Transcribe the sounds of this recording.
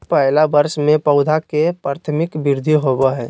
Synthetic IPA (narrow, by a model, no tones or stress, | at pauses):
pɛɦɪlabəɾsmẽpəʊd̪ʱakepɾaːt̪ʰəmɪkbɪɾd̪ʱiɦobəɦɛ̃ː